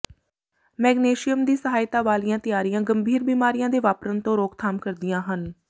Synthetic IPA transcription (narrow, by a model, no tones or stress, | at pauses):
mɛːɡneːʃɪjəmd̪iːsəɦaːjɪt̪aːʋaːlijãːt̪ɪjaːɾijãːɡəmbʱiːɾbiːmaːɾɪjãːd̪eːʋaːpɾənt̪õːɾoːkt̪ʰaːmkəɾd̪ɪjãːɦən